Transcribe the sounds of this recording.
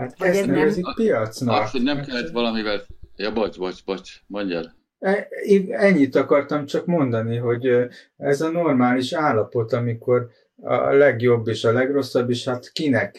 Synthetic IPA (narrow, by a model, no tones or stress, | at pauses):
haːt̪ɛnɛvɛzipijɒt̪snɒkhoɟnɛkɛlːɛt̪ʋɒlɒmivɛljɒbɒtbɒcbɒt͡ʃmɒɲdɛɾ | ɛiɛɲːit̪ːɒkɒrt̪ɒmt͡ʃɒkmo̞nd̪ɒniɦo̞ɟ | ɛzɒno̞rmaːliʃaːlːɒpo̞t̪ɒmiko̞r | ɒ̰lɛɡjo̞bːeːʃɒlɛɡro̞sːɒbːeːʃhat̪kinɛk